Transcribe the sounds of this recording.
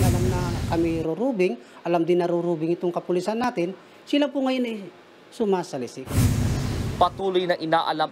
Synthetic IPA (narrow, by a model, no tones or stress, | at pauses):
ɐlamnɐkɐmɪɾʊɾuːbɪŋʔɐlamd̪ɪnːɐɾʊɾuːbɪŋɪt̪oŋkɐpʊlɪsɐnːaːt̪ɪn | sɪlapʊŋɐjonɐj | sʊmaːsɐlɪsɪk | pɐt̪uːlʊjnɐʔɪnaːʔɐlam